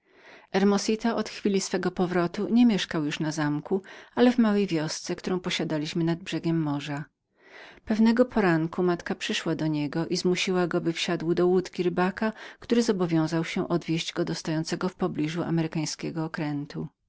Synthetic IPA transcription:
ɛɾmɔsʲit̪aʔɔt̪xfʲilʲisfɛɡɔpɔvɾɔt̪uɲɛmʲjɛʂkawjuʂnazamkualɛvmawɛjvʲjɔst̪sɛkt̪uɾɔ̃w̃pɔɕad̪alʲiɕmɘnad̪̚bʐɛɡʲɛmːɔʐa | pɛvnɛɡɔpʰɔɾaŋkumat̪kapʂɘʂwad̪ɔɲɛɡɔʔizmuɕiwaɡɔbɘfɕad̪wd̪ɔwut̪kʲiɾɘbakakt̪uɾɘzɔbɔvʲjɔ̃w̃zawɕɛ̃ʔɔd̪vʲjeʑd͡ʑɡɔd̪ɔst̪ajɔnt̪sɛɡɔfpɔblʲiʐua̰mɛɾɘkaj̃skʲɛɡɔːkɾɛnt̪u

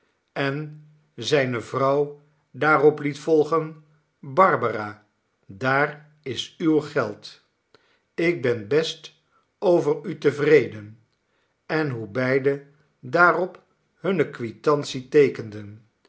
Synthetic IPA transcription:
ɛn | zɛjnəvrɑw | daːrɔplitfɔlˠχən | bɑɹbəraː | daːr | ɪsywχɛlˠt | ɪɡ̚bɛnbɛst | owvərytəvrejdən | ɛnɦubɛjdə | daːrɔp | ɦɵnəkʋitɑntsitejkəndən

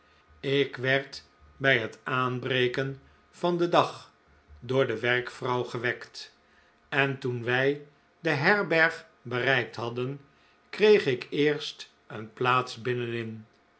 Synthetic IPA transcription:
ɪkʋɛɹt | bɛjɦətaːnbrejkən | vɑndədɑχ | dʊːɹdəʋɛrkfrɑwχəʋɛkt | ɛntunʋɛj | dəɦɛɹbɛɹχ | bərɛjk̚tɦɑdən | krejχɪkɪːɹst | ənplaːtsbɪnənɪn

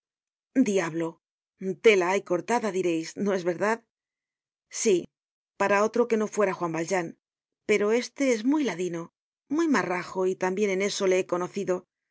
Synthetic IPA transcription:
d̪iaβlo̞ | t̪e̞laajko̞ɾt̪aðaðiɾe̞jsno̞e̞zβe̞ɾðað | si | paɾao̞t̪ɾo̞ke̞no̞fwe̞ɾaxwambald͡ʒan | pe̞ɾo̞e̞st̪e̞e̞zmujlaðino̞ | mwujmaraxo̞it̪ambje̞nene̞so̞le̞eko̞no̞θiðo̞

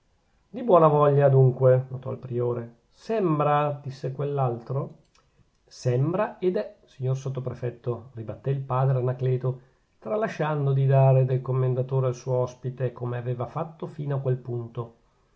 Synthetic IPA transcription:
d̪ibwɔːnavɔʎːad̪uŋkwenot̪ɔ̰ilpɾioːɾe | sɛmbɾad̪̥isːekwelːalt̪ɾo | sɛmbɾaed̪ɛsiɲːorsot̪ːopɾefɛt̪ːoribat̪ːeilpaːd̪ɾeanaklɛːt̪o | t̪ɾalːaʃand̪od̪id̪aːɾed̪elkomːend̪at̪oːɾealsuːoɔspit̪ekomeaveːvafat̪ːofiːnoakːwelpunt̪o

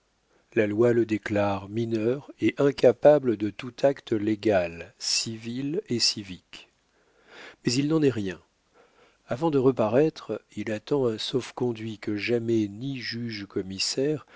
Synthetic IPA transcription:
lalwaləd̪eklaʁminœʁeʔɛ̃kapabləd̪ət̪ut̪ʰakt̪leɡalsivilesivik | mɛzilnɑ̃nɛʁjɛ̃ | avɑ̃d̪əʁəpaʁɛt̪χilat̪ɑ̃ɛ̃sɔfkɔ̃d̪ɥikəʒamɛniʒyʒkɔmisɛʁ

